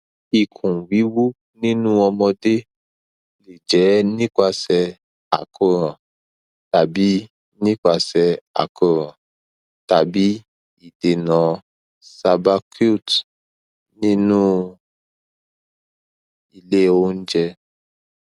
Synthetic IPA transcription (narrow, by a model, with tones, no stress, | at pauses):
i˨kʰũ˨wi˨˦wu˦ | nĩ˦nũ˦ɔ˧mɔ̃˧de˦ | le˨d͡ʒɛ˨˦nĩ˦ka˧sɛ˧ | a̰˨kʰo˦ɾɔ̃˨ | ta˨bi˨˦ | nĩ˦ka˧˨sɛ˧a̰˨ko˧ɾɔ̃˨ | ta˨bi˨˦ | i˦˨de˨nã˨ | sa˧ba˧kʰu˦˨t | nĩ˦nũ˦ | i˧le˦o˦n̩˦d͡ʒɛ˧